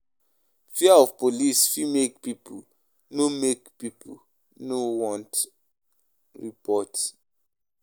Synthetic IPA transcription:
fiaɔvpolisfimek̚pipʰṵ | nomekpipʰṵ | nowɔ̃nt | ɹipɔt

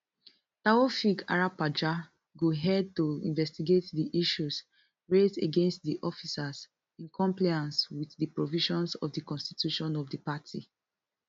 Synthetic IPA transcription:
taɔfika̰ɹapad͡ʒa | ɡoɦɛd̚tuḭ̃nvɛstiɡetdiʔiʃus | ɹezeɡẽnst̚diʔɔfisas | ĩnkʰɔ̃mplajãnswiθðəpɹɔviʃɔ̃nsɔvdəkɔ̃nsti̥tʰjuʃɔ̃nɔvdəpatʰḭ

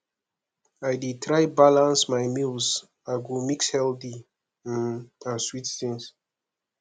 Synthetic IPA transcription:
ajdetʰɾajbalãnsmajmils | aɡomikshɛldi | ãnswittĩns

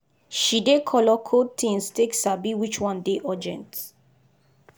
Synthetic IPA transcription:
ʃidekʰɔlɔkʰottʰĩnsteksabiwit͡ʃwɔ̃ndeʔɔd͡ʒɛ̰̃nt

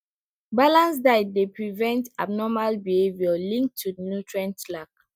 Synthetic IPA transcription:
balãnsdaɪd̚depɹivɛ̃ntab̚nɔmalbiheviɔlĩŋk̚tʰːunjutɹãntlak̚

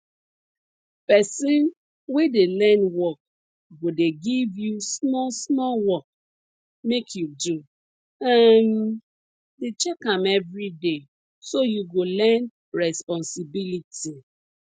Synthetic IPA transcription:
pɛsĩn | wedelɛ̃nwɔk̚ | ɡodeɡivjusmɔsmɔlwɔk̚ | mekʰjudu | am | det͡ʃɛkãmɛvɹide | sojuɡolɛn | ɹɛspɔ̃nsibilitʰi

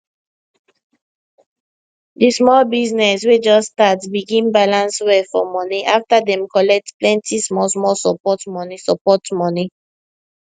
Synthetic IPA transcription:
dismɔlbiznɛswed͡ʒɔstatsbiɡĩnbalãnswɛfɔmɔniʔaftadɛ̃mkɔlɛk̚tplɛ̃ntismɔlsmɔlsɔpɔtmɔnisɔpɔtmɔni

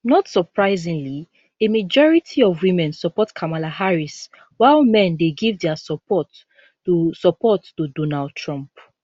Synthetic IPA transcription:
nɔtsɔpʰɹaɪzĩŋli | emad͡ʒɔɹitʰiɔvwimɛ̃nsɔpɔtkʰamalahaɹis | waɪlmɛ̃ndeɡivdɛasɔpɔt | usɔpɔtːudɔnald̚tʰɹɔ̃mp

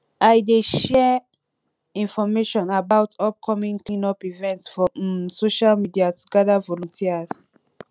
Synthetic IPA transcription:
ʔajdeʃɛ | ĩnfɔmeʃɔ̃nabawtʰɔp̚kʰɔmĩŋklĩnɔpivɛ̃ntsfɔsoʃalmidiatʰuɡɛdavɔlɔ̃ntʰias

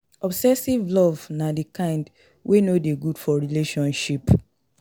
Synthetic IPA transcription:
ɔbsɛsivlɔvnadekãɪ̃nd | wʔenodeɡudfɔɹileʃɔ̃nʃip

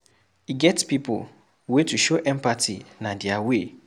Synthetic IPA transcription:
iɡɛtpipʰo̰l | wetʰuʃoʔɛ̃mpatʰinãdɪawe

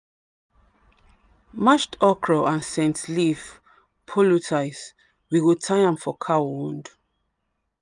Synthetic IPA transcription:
maʃtɔkʰɹɔãnsɛ̃ntlif | pʰɔlutʰajs | wiwutʰajãmfɔkʰawũnd

